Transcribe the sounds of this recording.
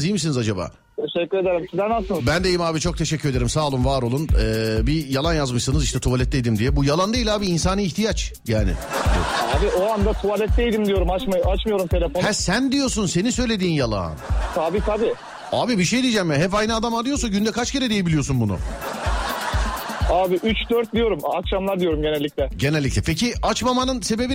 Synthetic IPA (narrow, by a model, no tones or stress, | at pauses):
zijmisinizad͡ʒaba̰ː | t̪ʰeʃɛcːyɾed̪eɾimsid̪ænasɯnbænd̪e̞jimaːbit͡ʃʰo̞k̚t̪ʰe̞ʃɛcʲʰːyɾe̞d̪eɾimsaːlˠumvaɾo̞lˠunɛːbijalˠanjazmɯʃsɯnɯziʃt̪ɛt̪ʰuvalʲɛt̪̚ːejd̪imd̪ijɛbujalˠand̪ailʲaːbiːnsanɯiçt̪ʰijat͡ʃjaːnɪ̰aːbiʔoand̪at̪ʰuvalʲɛt̪̚d̪ejd̪imd̪ijo̞ɾumat͡ʃmat͡ʃmɯjo̞ɾumt̪ʰe̞lʲefonhɛsænd̪ijo̞ɾs̬unse̞ninsø̞jlʲe̞d̪iːnjalˠa̰ːnt̪ʰaːbiabɪ | aːbibiʃe̞jd̪ijːd͡ʒɛmjaɦɛpajnɯad̪amaɾɯjosaɟynd̪ɛkʰat͡ʃce̞ɾɛd̪ejebilʲijo̞sunbunʊ̰ | aːbɪʔyt͡ʃd̪øɾt̪̚d̪ijo̞ɾumakʃamlˠaɾd̪ijo̞ɾumɟe̞nɛlʲːiclʲɛɟe̞nɛlʲːicʲlʲɛpʰeciat͡ʃmamanɯnse̞be̞bi